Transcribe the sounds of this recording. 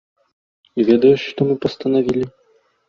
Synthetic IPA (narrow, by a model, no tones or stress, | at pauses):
ivʲɛd̪ɐjuɕʲʂt̪ɔmɨpɐst̪ɐnavʲilʲi